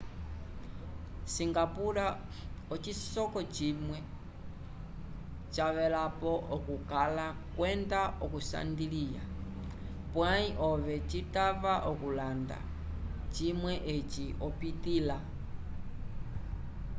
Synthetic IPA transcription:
siŋɡapuɾa | ɔt͡ʃisɔkɔt͡ʃimwɛ | t͡ʃaβɛlapɔʔɔkukalakwɛndaʔɔkusa̰ndilija̰ | pwaiʔɔβɛt͡ʃitavaʔɔkulanda̰ | t͡ʃimwɛʔet͡ʃiɔpitila

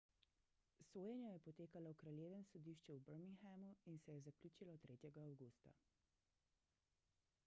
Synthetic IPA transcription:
soːjɛnjajɛpɔt̪eːkalɔwkɾaljeːʋɛmsɔd̪iːʃt͡ʃɛubəɾmiŋxamuinsɛjɛzakluːt͡ʃilɔt̪ɾeːt̪jɛɡaːwɡuːst̪a̰

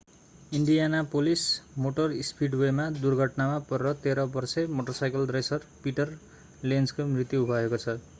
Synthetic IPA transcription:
iɳɖijanapolismoʈʌrispʰiɖwemad̪urɡʱʌʈnamapʌɾʌt̪eɾʌbʌrsemoʈʌrsajkʌlɖresʌrpiʈʌr | lenskomrit̪jiubʱʌekot͡sʰʌ

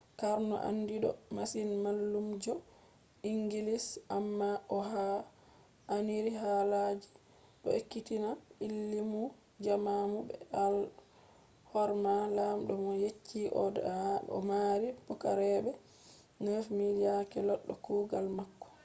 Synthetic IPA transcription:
kaɾnɔ̰ʔa̰ndiɗɔ̰masinmalːumd͡ʒɔ | iŋɡilisʔamːaʔɔɦa | aniɾiɦalad͡ʒi | ɗɔ̰ekːitinailːimu | d͡ʒamamubɛ̰al | hɔɾmalamɗɔmɔjet͡ʃʰːiʔɔ̰dɔ̰maɾibukaɾɛbɛ | nəfmidiakɛlɔɗːɔkuːɡalmakːɔ̥

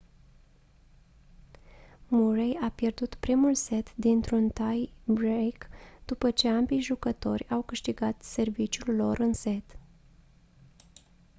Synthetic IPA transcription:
murejapje̞rd̪ut̪pɾimulse̞t̪d̪int̪ɾunt̪ajbɾejkd̪̥upət͡ʃe̞ambijʒukət̪o̞rʲawkɨʃt̪iɡat̪se̞rvit͡ʃjulːo̞ɾʔɨnse̞t̪

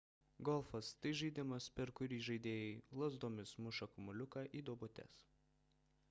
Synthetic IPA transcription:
ɡɔlˠfɐst̪ɐɪʒʲiːd̪ʲɪmɐspʲɛɾkʊɾʲiːʒɐɪd̪ʲeːjɛɪlˠɐzd̪oːmʲɪsmʊʃɐkʊmʊlʲʊkɑːʔiːd̪oɔbʊt̪ʲɛ̰s

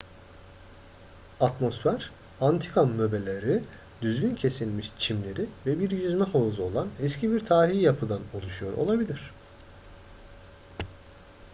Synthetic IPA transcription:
at̪mo̞sfæɾ̥ | ant̪ʰi̥kʰanmøbe̞lʲeɾi | d̪yzɟyncʰe̞silʲmiʃt͡ʃʰimlʲe̞ɾivɛbiɾjyzmɛhazo̞lˠanɛscʰibiɾt̪ʰaːɾijjapʰɯd̪ano̞lˠuʃujo̞ɾo̞̰lˠabilʲiɾ̝̥

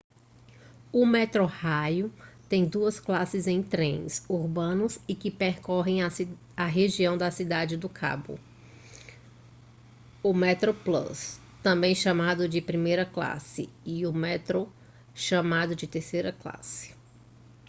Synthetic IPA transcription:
ʊmɛt̪ɾohajʊt̪ẽj̃d̪uɐsklasɪzẽj̃t̪ɾẽj̃suɾbɐ̃nʊsɪkɪpeɾkɔɦẽj̃a | aɦeʒiɐ̃w̃d̪ɐsid̪ad͡ʒɪd̪ʊkʰa̰bʊ̰ | ʊmɛt̪ɾoplɐ̰s | t̪ɐ̃mbẽj̃ʃɐmad̪ʊd͡ʒɪpɾimejɾɐkla̰sɪ̰ɪʊmɛt̪ɾo | ʃɐmad̪ʊd͡ʒɪt̪eɾsejɾɐkla̰sɪ̥

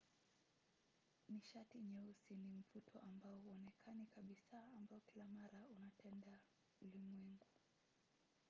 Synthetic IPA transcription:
niʃatiɲɛusinim̩vutʰɔʔambaɔhuɔnɛkʰanikaɓisaːmbaɔkilamaɾaunatʰɛnda | ulimwɛŋɡuu

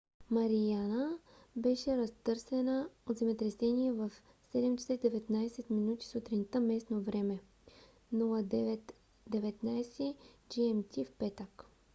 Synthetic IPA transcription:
mɐɾijanəbɛʃɛɾɐst̪ɤɾsɛnəod̪zɐmɛt̪ɾɛsɛniɛvəf | sɛd̪ɛmt͡ʃsɛd̪ɛvɛt̪najsɛt̪minut̪i̥sut̪ɾint̪əmɛsnovɾɛmɛ | nulˠəd̪ɛvɛt̪ | d̪ɛvɛt̪najsɛd͡ʒiɛmt̪ʰʲifpɛt̪ək

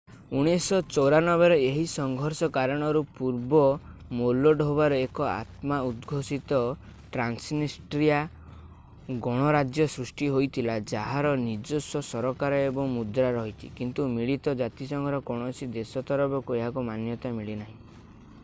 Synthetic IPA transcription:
uɽ̃esɔt͡ʃɔwɾanɔbeɾɔeɦisɔŋɡʱɔɾsɔkaɾɔɽ̃ɔɾupuɾbɔmolɔɖɦobaɾɔekɔa̰t̪maud̪ɡʱosit̪ɔ | ʈɾansnisʈɾia | ɡɔɽ̃ɔɾad͡ʒjɔsɾusʈiɦojt̪ʰilad͡ʒaɦaɾɔnid͡ʒosɔsɔɾɔkaɾɔebɔŋmud̪ɾaɾɔɦit̪ʰḭkint̪umiɭit̪ɔd͡ʒat̪isɔŋɡʱɔɾɔkɔɽ̃ɔsid̪esɔt̪ɔɾɔbɔkueɦakumanjɔt̪amiɭinaɦĩ

